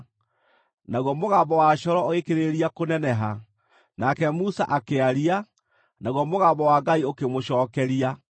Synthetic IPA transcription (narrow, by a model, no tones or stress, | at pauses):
naɣwɔmoɣabɔwaɕɔɾɔoɣekeɾeɾiakonɛnɛɦa | nakɛmusa̰ʔakeaɾia | naɣwɔmoɣaːbɔwaɡaiokemoɕɔːkɛɾia